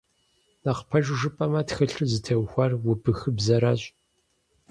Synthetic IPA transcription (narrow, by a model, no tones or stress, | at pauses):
naqpʰɐʒʐɨpʼɐmɐtxɨɬɨzɨtʰɐwxʷɐrwʊbɨxɨbzɐɾaːɕʼ